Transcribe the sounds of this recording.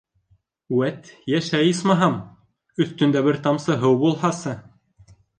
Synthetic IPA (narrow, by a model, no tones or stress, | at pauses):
uæt̪jæʃæjɤsmɑɦɑm | ɵ̆θt̪ɵ̆nd̪æbɘɾt̪ɑmsɤɦɤwbulˠhɑsɤ